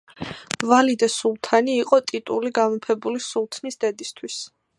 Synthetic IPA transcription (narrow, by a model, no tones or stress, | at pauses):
valid̪asulˠt̪ʰaniːqʼɔt̪ʼit̪ʼuliɡamɔpʰɛbulisulˠt̪ʰnisd̪ɛd̪ist̪ʰwis